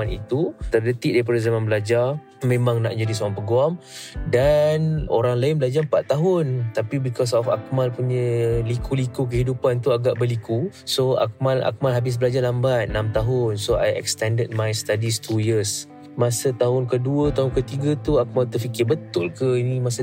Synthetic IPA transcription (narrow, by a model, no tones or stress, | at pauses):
anḭt̪ut̪ərlət̪ɪʔ̚dapadəzamãnbəlad͡ʒar | mẽmãŋna̰ʔd͡ʒadisoaŋpəɡuamdano̰ɾaŋlaɪnbəlad͡ʒarmpat̪̚ːaɦʊnt̪apibikɔs̬ɔfa̰k̚malpuɲəlikʰulikuk̬əɦidupant̪uaɡaʔbərlikusoa̰k̚mala̰k̚malɦabɪs̬bəlad͡ʒarlambat̪̚namt̪aɦʊnsoa̰jɛ̰kst̪ɛndəd̚majst̪adist̪ʰujəs | masət̪aɦʊnkəduət̪aɦʊnkət̪iɡat̪uak̚malt̪ərfikɪbət̪ʊlkəinimasə